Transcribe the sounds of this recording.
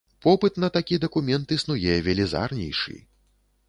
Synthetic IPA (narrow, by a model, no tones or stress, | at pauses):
pɔpɨt̪nɐt̪akʲid̪ɐkumʲɛnt̪ɨsnujɛvʲɛlʲɛza̰rnʲɛ̰jʂɨ̰